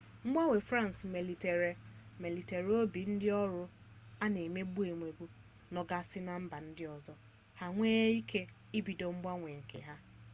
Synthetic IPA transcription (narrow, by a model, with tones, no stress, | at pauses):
ŋ͡m̩˦ɡ͡ba˦ŋʷe˨fɾa˦n˨sme˨li˨te˨ɾe˨me˨li˨te˨ɾo˦bi˨n̩˦dɪ˦ɔ˦ɾʊ˦ | a˦ne˨me˦ɡ͡bu˦e˨ŋʷe˨bu˦ | nɔ˨ɡa˦sɪ˦na˦m̩˦ba˨n̩˦dɪ˦ɔ˨zɔ˦ | ha˦ŋʷeː˦i˦kʰe˦ | i˦bi˨do˨m̩˦ɡ͡ba˦ŋʷe˨ŋ̩˨kʰḛ˨ɦa˦